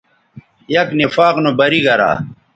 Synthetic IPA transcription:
jɐknifaːqnobɐɾiɡɐɾa̰ː

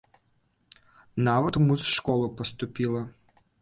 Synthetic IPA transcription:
navɐt̪muzʂkɔlˠʊpɐst̪ʊpʲilˠɐ

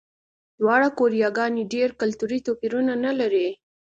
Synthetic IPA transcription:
d̪wɑɽakoɾijɑɡɑneɖeɾkalt̪uɾit̪opiɾunanalaɾe

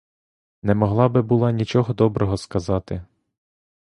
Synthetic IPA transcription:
nɛmɔɦlˠɑbɪbʊlˠɑnʲit͡ʃɔɦɔd̪ɔbɾɔɦɔskɐzɑt̪ɪ

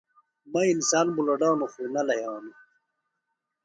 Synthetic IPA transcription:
mɐinsaːnbulɐɖawnuxunɐlɐjaːnu

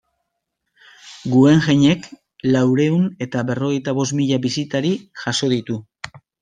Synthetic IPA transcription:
ɡue̞ŋʝeɲe̞k | lawɾe̞une̞t̪aβe̞ro̞ɣ̞e̞jt̪aβ̞o̞smiʎaβisit̪aɾiʝaso̞ðit̪u

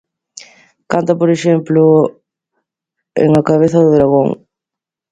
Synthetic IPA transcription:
kant̪ɐpoɾesemplu | ḛŋɐkɐβeθɐðəd̪ɾɐɣoŋ

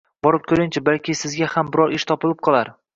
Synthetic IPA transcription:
bɒɾɪp̚kʲʰɵɾɪŋt͡ʃʰɪbalkʲɪsɪzɡʲahambɪɾɒɾʔɪʃt̪ʰɒpɪlˠɪp̚qʰɒlˠaɾ

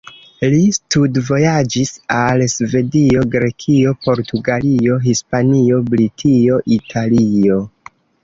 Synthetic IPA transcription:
listudvo̞jad͡ʒisalsve̞dio̞ɡɾe̞kʰio̞po̞ɾtuɡalio̞ɦispanio̞bɾitʰio̞ʔitʰalio̞

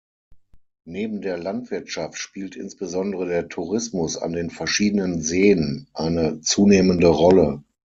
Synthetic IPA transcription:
neːbm̩deːɐlantv̥ɪɐtʃaftʃpiːltʰʔɪ̰nsb̥əzɔndəʁədeːɐtʰuʁɪsmʊsa̰ndeːnfɛɐʃiːdənənzeːənʔaɪnət͡suːneːməndəʁɔlə

